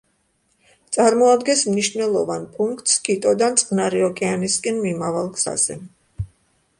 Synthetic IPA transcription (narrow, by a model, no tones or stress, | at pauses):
t̪sʼaɾmɔad̪ɡɛ̃smniʃvnɛlˠɔvanpʼuŋkʰʼt̪ʼskʰit̪ʼɔd̪ant̪sʼqʼnaɾiɔkʼɛaniskʼɛnmimavalˠɡz̥a̰z̥ɛ̰